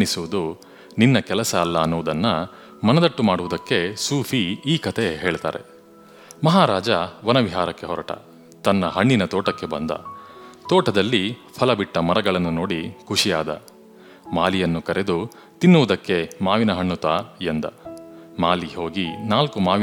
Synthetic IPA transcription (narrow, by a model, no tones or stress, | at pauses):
ɳisuʋud̪u | ninːɐkɛlɐsɐːlːɐːnːuʋud̪ɐnːɐ | mɐnɐd̪ɐʈːumaːɽuʋud̪ɐkːe̞suːpʰiiːkɐt̪ʰe̞ɦe̞ːɭt̪a̰ːɾe̞̰ | mɐɦaːɾaːd͡ʒɐʋɐnɐʋiɦaːɾɐkːe̞ɦɔɾɐʈɐ̰ | t̪ɐnːɐɦɐɳːinɐt̪ɔːʈɐkːe̞bɐnd̪ɐ̰t̪ɔːʈɐd̪ɐlːipʰɐlɐbiʈːɐmɐɾɐɡɐɭɐnːuno̞ːɽikʰuʂijaːd̪ɐ̰ | maːlijɐnːukɐɾʔe̞d̪u | t̪inːuʋud̪ɐkːe̞maːʋinɐɦɐɳːut̪aːend̪ɐ̰maːliho̞ːɡinaːlkumaːʋ